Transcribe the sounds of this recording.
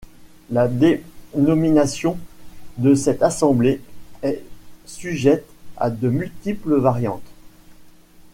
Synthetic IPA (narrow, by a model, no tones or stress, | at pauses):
lad̪enɔminasjɔ̃d̪əsɛt̪asɑ̃bleɛsyʒɛt̪a̰d̪əmylt̪ipləvaʁjɑ̃t̪